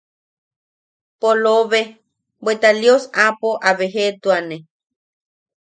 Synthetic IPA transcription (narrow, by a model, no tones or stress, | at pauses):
poloβe | bet̪aljosapoʔaβeɦet̪uanẽ